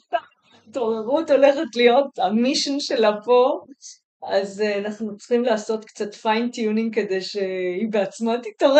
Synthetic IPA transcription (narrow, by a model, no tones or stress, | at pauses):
a | toʁeʁuto̞le̞χetlijo̞tamiʃonʃe̞lapo̞ | azanaχnut͡sχimlaːso̞tkt͡satfajntjuniŋke̞de̞jʃeibeat͡smatitaʁ